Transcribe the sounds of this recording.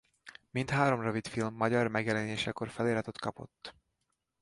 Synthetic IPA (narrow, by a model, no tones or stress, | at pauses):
mint̪haːɾo̞mrovit̪filmːɒɟɒrmɛɡjɛlɛneːʃɛko̞rfɛleːlɒt̪ot̪kɒpo̞̰t̪ː